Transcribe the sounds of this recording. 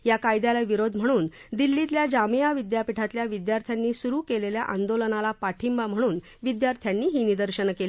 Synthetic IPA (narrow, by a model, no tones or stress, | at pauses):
jakajd̪jalaʋiɾod̪ʱm̤əɽ̃uːnd̪ilːit̪ljad͡ʑamijaʋid̪japiʈʰat̪ljaʋid̪jaɾt̪ʰjanːiːsuɾuːkelelja̰ʔand̪olənalapaʈʰimbam̤əɽ̃uːn | ʋid̪jaɾt̪ʰjanːiːɦiːnid̪əɾɕəɳkeli